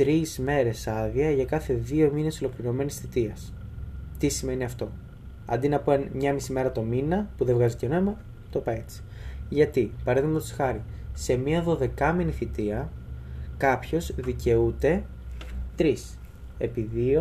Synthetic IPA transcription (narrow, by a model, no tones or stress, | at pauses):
t̪ɾizme̞ɾe̞sɐðiɐʝɐkɐθe̞ðio̞mine̞so̞lo̞kliɾo̞me̞nisθit̪iɐs | t̪isime̞niɐft̪o̞ | ɐ̰nd̪inɐpenmɲɐmisime̞ɾɐt̪o̞minɐpuðevɣɐzit̪eono̞imɐ | t̪opɐe̞t͡si̥ʝɐt̪ipɐɾeðimɐt̪osxɐɾi | se̞miɐðo̞ðe̞kɐminiθit̪iɐ | kɐpço̞zðice̞ut̪e̞ | t̪ɾis | e̞̰piðio